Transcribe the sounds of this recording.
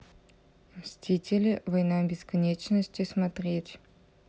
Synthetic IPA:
msʲtʲitʲɪlʲɪvɐjnabʲɪskɐnʲet͡ɕnəsʲtʲɪsmɐt̪rʲetʲ

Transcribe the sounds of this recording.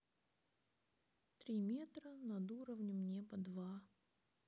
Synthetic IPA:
t̪ɾʲimʲet̪ɾənɐd̪uɾəvnʲɪmnʲepɐd̪va

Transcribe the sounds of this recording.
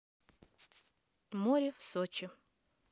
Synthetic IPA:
moɾʲɪfsot͡ɕɪ

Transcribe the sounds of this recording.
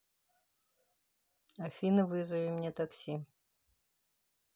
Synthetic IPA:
afʲinɨvɨzɐvʲemnʲet̪aksʲi

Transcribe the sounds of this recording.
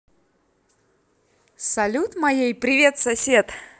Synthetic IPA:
sɐlʲut̪mɐjejpɾʲɪvʲet̪sɐsʲet̪

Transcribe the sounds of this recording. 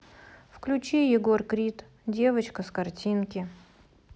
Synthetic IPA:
fklʲʊt͡ɕejɪɡo̞rkɾʲit̪ | dʲe̞vət͡ɕkəskɐrtʲinkʲɪ

